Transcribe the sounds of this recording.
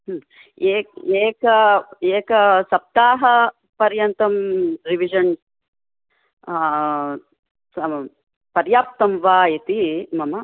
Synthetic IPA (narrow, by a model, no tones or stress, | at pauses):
ɦ | eːeːkɐeːkɐsɐp̚t̪aːɦɐ | pɐɾjɐnt̪ɐmɾiʋid͡ʒɐn | sɐ | pɐɾjaːp̚t̪ɐmʋaːjit̪imɐmɐ